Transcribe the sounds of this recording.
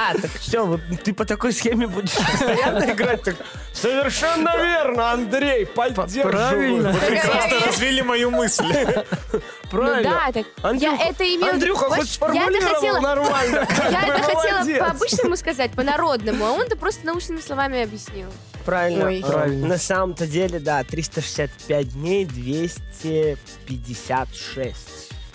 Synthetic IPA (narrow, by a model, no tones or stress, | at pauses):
at̪əkfsʲovot̪t̪ːɨpət̪ɐko̞jsxʲemʲɪbudʲɪʂpəəst̪ɐjanːəɪɡɾat̚ʲt̪ak | səvʲɪrʂɛnːəvʲernəɐnd̪ɾʲejpɐdʲeavʲɪlnot̪ʲɪkɾast̪əɾɐzvʲilʲimɐjumɨsʲlʲ | pɾaovɪld̪nt̪akɐnd̪ɾauxʔɛt̪əɪmʲeɐd̪ɾʲuxəxot̪sfərjamʊlʲəiɾəelˠnɐrmalʲnəkajaɛbɨt̪əxɐtɐelˠəepəɐbɨt͡ɕnəmʊskɐzat̚ʲpənɐɾo̞d̪nəmʊɐo̞nt̪əpɾo̞st̪ənɐut͡ɕnɨmʲɪslˠɐvamʲɪɐbjɪsʲnʲilˠ | pɾavʲɪlʲnənɐsaməmt̪ədʲelʲɪd̪at̪ɾʲist̪əʂɨ̥sʲat̪pʲæt̚ʲdʲnʲejd̪vʲesʲtʲɪ | pʲɪdʲɪsʲat̪ʂɛsʲtʲ